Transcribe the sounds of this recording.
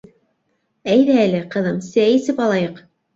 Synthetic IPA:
æjðæːlɘqɤ̆ðɤmsæisɘpɑlˠɑjɤq

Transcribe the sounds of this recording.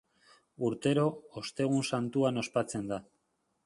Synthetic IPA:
uɾt̪e̞ɾo̞ost̪e̞ɣ̞unsant̪uano̞spat͡se̞nd̪a

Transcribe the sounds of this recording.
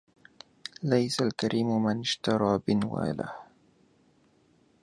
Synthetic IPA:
lajsalkaɾʔiːmmanɪʃt̪ɑɾˤɑːbɪnwa̰ːla̰h

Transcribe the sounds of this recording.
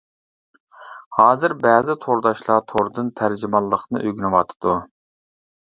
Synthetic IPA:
hɑːzɨɾbæːzɪt̪ʰoɾd̪ɑʃlˠɑt̪ʰoɾd̪ɨnt̪ʰæɾd͡ʒimɑlˠːəqnɨ̰ʔøɡʲinɨwɑt̪ʰɨ̥d̪̥u

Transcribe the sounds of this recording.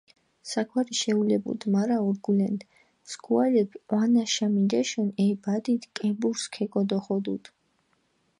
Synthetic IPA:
sakʰwaɾiʃɛulɛbṵd̪maɾaɔɾɡulɛnt̪ʰ | skʰualɛbwanaʃamid̪ɛʃɔnɛbad̪it̪ʰkʼɛbuɾskʰɛkʼɔd̪ɔχɔd̪ṵd̪ʰ

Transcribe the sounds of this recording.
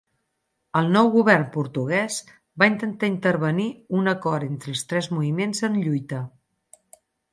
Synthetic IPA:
əlˠnɔwɣuβ̞ɛrmpuɾt̪uɣ̞ɛs | baint̪ənt̪aint̪əɾβəniunəkɔɾɾent̪ɾəlˠst̪ɾɛzmuβimenzənʎujt̪ə

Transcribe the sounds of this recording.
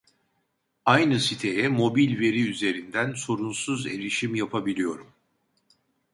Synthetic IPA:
ajnɯsit̪ʰe̞jɛmo̞bilʲve̞ɾiyze̞ɾind̪ænso̞ɾunsuze̞̰lʲiʃimjapʰabilʲijo̞ɾum

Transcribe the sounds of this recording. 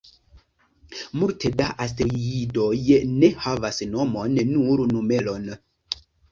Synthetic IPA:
multedaʔas̬tɾiidojne̞havasno̞monːuɾnume̞lo̞n

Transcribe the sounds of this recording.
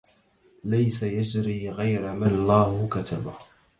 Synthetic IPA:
lajsajad͡ʒɾiːɣajɾamanlˤːaːhʊkat̪ʰa̰ba

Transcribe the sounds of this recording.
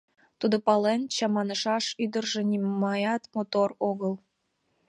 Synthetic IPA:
t̪ud̪opɑlent͡ɕɑmɑnəʃɑʃyd̪ərʒenimmɑjɑt̪mot̪oroɣəl

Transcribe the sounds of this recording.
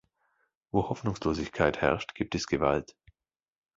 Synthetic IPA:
voːhɔfnʊŋsloːzɪçkʰaɪthɛ̰ɐʃtɡ̥iːp̚tɛsɡ̥əva̰lt

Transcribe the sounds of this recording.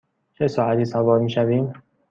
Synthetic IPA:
t͡ʃʰe̞sɒːæt̪ʰiːsævɒːɾmiːʃæviːm

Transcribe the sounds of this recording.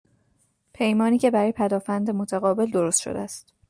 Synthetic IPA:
pʰe̞jmɒːniːcʰe̞bæɾɒːjepʰæd̪ɒːfænd̪emot̪ʰæɣɒːbe̞ld̪o̞ɾost̪ʃo̰d̪ḛæst̪

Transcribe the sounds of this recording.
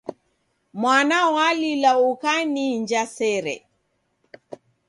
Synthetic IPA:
mwanawalilaukaniɲd͡ʒasɛɾɛ̰

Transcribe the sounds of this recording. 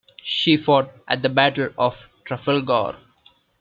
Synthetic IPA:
ʃiːfɔːʈ̚ʔæ̰ʈ̚d̪əbæʈəlɔːfʈɾafəlɡɔ̰ːɾ

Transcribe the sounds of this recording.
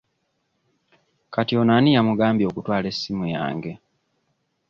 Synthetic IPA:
katio̞nanijamuɡaːmbjo̞ːkutwaːle̞sːimuja̰ːŋɡe̞

